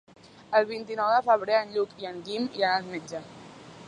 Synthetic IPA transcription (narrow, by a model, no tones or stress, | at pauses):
əlˠβint̪inɔwðəfəβ̞ɾeənʎukiəŋɡimiənalmed͡ʒə